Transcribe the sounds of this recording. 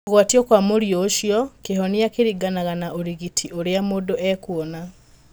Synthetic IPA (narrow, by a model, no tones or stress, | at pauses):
ɣwatiɔkwamoɾijɔːʃjɔkeɦɔnijakeɾiɡanaɣanaʔoɾiɣitʰiʔoɾeamoːdoʔɛkuɔna